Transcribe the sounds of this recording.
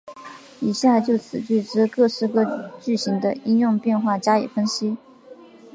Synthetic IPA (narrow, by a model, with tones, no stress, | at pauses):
i˨˩ɕja˥˧t͡ɕjo˥˩ʊt͡sʰɹ̩˨˩t͡ɕy˥˩ʈ͡ʂɻ̩˥kɤ˥˩ʂɻ̩˥kɤ˥˧t͡ɕy˥˩ɕi˧˥ŋd̪ə˧i˥njʊ˥˧ŋpjɛ˥˧nxwa˥˩t͡ɕja˥lḭ˨˩fə˥nɕi˥